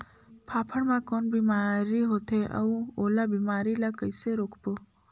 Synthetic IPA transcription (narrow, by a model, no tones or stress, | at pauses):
pʰaːpʰəɽmãkɔːnbiːmaɾiɦoːt̪eʔə̰ũolabimaːɾilakəɪseɾoːkʰpoː